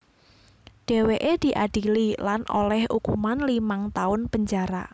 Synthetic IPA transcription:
d̥e̤weʔed̪̥i̤ʔaɖ̥ililanʔo̰lɛhʔukumanlimaŋt̪aʊnpəɲd͡ʒaɾa̰

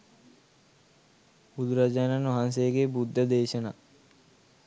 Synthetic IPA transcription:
bud̪uɾad͡ʒaːnanʋɐɦans̬eːɡebud̪ːəd̪eːʃəna̰

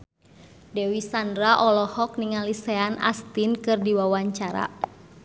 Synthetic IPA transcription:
dɛwisandɾaʔɔlɔhɔk̚niŋalisɛana̰st̪inkɨrdiwawaɲt͡ʃaɾa̰

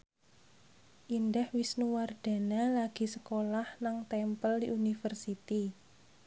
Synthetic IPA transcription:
ʔindahwisnuward̪̥a̤nalaɡ̥i̤səkolahnaŋt̪ɛmpəldiʔunifərsit̪i

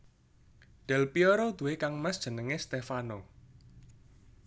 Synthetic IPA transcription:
ɖ̥ɛ̤lpiɔɾɔd̪̥uwekaŋmasd̥ʒ̥ə̤nəŋest̪efanɔ

